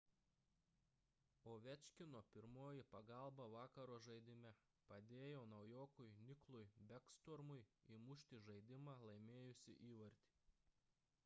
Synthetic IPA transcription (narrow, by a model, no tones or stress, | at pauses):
oːʋʲɛt͡ʃʲkʲɪnoːpʲɪɾmoːjɪpɐɡɐlˠbɐʋɑːkɐɾoːʒɐɪd̪ʲɪmʲɛ | pɐd̪ʲeːjoːnɐʊjoːkʊɪnʲɪklˠʊɪbʲɛkst̪ɔɾmʊɪimʊʃʲt̪ʲiːʒɐɪd̪ʲɪmɑːlˠɐɪmʲeːjʊsʲɪ̰ʔiːʋɐɾʲt̪ʲi̥ː